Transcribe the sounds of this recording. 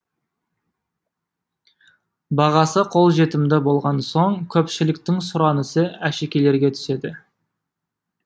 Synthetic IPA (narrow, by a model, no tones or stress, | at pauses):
bɑʁɑsəqʰo̞lˠʒe̞t̪ɪmd̪ɪbo̞lˠʁɑnso̞ɴkʲʰɵpʃɪlɪkt̪ɪŋsʊɾɑnəsəæʃekʲe̞le̞ɾɡʲet̪ʰʏ̥se̞d̪ɪ